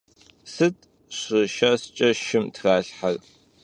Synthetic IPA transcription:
sɨtʼ | ɕɪʃɐst͡ʃʼɐʃɪmtʰraːɬħar

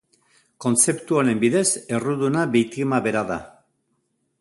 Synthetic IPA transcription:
ko̞nt͡se̞pt̪uaɾe̞mbiðe̞se̞ruðunaβejt̪iɣmaβe̞ɾaða̰

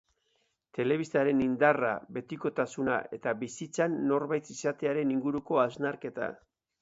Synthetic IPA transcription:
t̪e̞le̞βist̪aɾe̞nind̪ara̰βe̞t̪iko̞t̪asuna̰ʔe̞t̪aβisit͡sanːo̞ɾβajt̪isat̪e̞aɾe̞niŋɡuɾuko̞aznaɾke̞t̪a̰

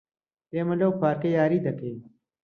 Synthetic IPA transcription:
eːmɐlowkʰaːɾkejaːɾiːd̪ɐkeː

